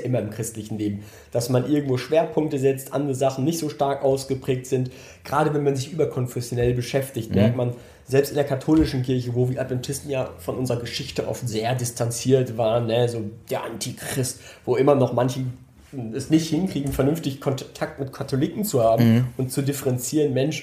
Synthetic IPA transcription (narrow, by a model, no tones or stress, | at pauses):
ʔɪmɐɪmkʁ̥ɪstlɪçn̩leːbm̩ | d̥asmanʔɪɐɡŋ̩tv̥oːʃv̥eːɐpʰʊŋk̚təzɛt͡stʔa̰ndʁəzaχn̩ːɪçtz̥oːʃtaɐkʔaʊsɡ̥əpʁ̥ɛːk̚tz̥ɪnt | ɡ̥ʁaːɾəvɛnmanzɪçʔyːbɐkʰɔnfɛsjonɛlbəʃɛftɪçtmɛɐk̚tman | zɛlpstʔɪndeːɐkʰatʰoːlɪʃn̩kɪɐçəvoːviːɐʔatvɛntʰɪstn̩jaːfɔnʔʊnzəʁɐɡəʃɪçtəʔɔ̰ftz̥eːɐdɪstʰant͡siːɐtv̥aːʁənːəzoːd̥eːɐʔantʰiːkʁ̥ɪst | voːʔɪmɐnɔχmançə | ɛsnɪçthɪnkʁ̥iːɡŋ̩fɛɐnʏnftɪçkʰɔntʰak̚tmɪtkʰatʰolikŋ̩t͡suhaːbm̩ʊntt͡sudɪfəʁɛnt͡siːʁənmɛnʃ